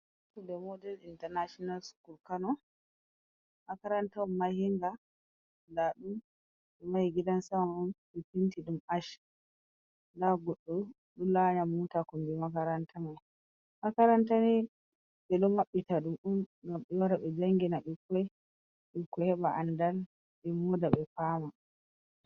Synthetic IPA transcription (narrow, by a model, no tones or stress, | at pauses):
tɔdɛmɔdɛlintɛnaʃɔnalsu̥kulkanɔ | makaɾantamːahiŋɡa | daɗum | ɓɛmajiɡidansaunɓɛpintiɗumaʃ | daɡɔɗːɔ | ɗulaɲamutakɔmbimakaɾantʰanɛ | makaɾantanɛ | ɓɛɗɔmaɓːitaɗumɗumɡamɓɛwaɾaɓɛd͡ʒaŋɡinaɗikːɔj | ɓikːɔhɛɓaʔandal | ɓɛmɔdaɓɛfaːma